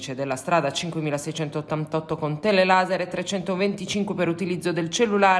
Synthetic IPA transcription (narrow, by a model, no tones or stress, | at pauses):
t͡ʃed̪elːast̪ɾaːd̪at͡ʃiŋkwemiːlasɛjt͡ʃɛnt̪oːt̪ːant̪ɔt̪ːokont̪elelaːzeɾet̪ːɾet͡ʃɛnt̪ovent̪it͡ʃiŋkwepeɾut̪ilid̪zːod̪elt͡ʃelːulaː